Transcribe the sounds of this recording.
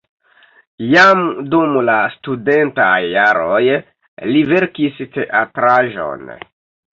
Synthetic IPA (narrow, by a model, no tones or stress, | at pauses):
jamdumlastude̞ntajːaɾoj | live̞ɾkisteʔatɾaʒo̞̰n